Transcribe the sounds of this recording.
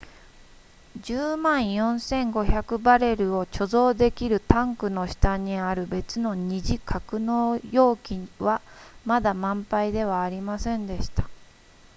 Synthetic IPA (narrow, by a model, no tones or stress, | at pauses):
d͡ʑɨːmãɰ̃jõ̞ɰ̃sẽ̞ŋɡo̞çakɯ̟baɾe̞ɾɯ̟o̞t͡ɕo̞zo̞ːd̪e̞kʲiɾɯ̟t̪ãŋkɯ̟no̞ɕi̥t̪aɲ̟iaɾɯ̟be̞t͡sɨno̞ɲ̟iʑikʰakɯ̟no̞ːjo̞ːkʲiβamad̪amãmpaid̪e̞β̞aːɾʲimasẽ̞nd̪e̞ɕi̥t̪ḁ